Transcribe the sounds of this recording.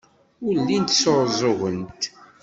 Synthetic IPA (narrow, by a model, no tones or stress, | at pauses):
ʊɾlːint̪soɾˤzˤʊʁənt̪